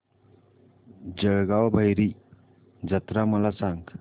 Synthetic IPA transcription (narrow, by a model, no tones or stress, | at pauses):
d͡ʒəɡawbʱajɾi | d͡ʒat̪ɾamɔlasaŋ